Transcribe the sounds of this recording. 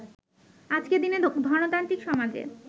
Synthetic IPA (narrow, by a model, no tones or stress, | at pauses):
ad͡ʑked̪ined̪ʱɔnot̪ant̪ɾikʃɔmad͡ʑḛ